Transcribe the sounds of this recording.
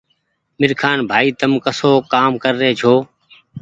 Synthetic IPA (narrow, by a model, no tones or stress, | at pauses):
mɪɾkʰaːnbʱaːiːt̪əmkəsoːkaːmkəɾːeːt͡ʃʰoː